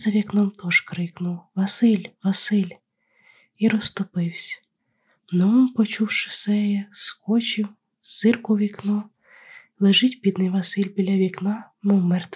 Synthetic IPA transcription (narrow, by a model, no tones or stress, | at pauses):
zɐʋʲiknɔmt̪ɔʒkɾɪknʊwʋɐsɪlʲʋɐsɪlʲ | iɾɔst̪ʊpɪwsʲɐ̥ | nɔmupɔt͡ʃuwʃɪ̥sɛjɛskɔt͡ʃʲɪw | sɪrkʊʋʲiknɔw | lˠeʒɪtʲpʲid̪nɪjʋɐsɪlʲbʲilʲɐʋʲiknɑ | nɔmɛrt̪